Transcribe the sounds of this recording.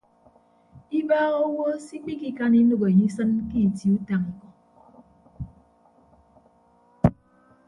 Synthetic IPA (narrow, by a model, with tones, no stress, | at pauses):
i˦baː˦ɣo˦wo˦si˦k͡pi˦ki˦ka˦ni˦no˨ɣo˨e˨ɲi˦sɨ˦nki˦˨ti˨u˦ta˨ŋi˨kɔ˨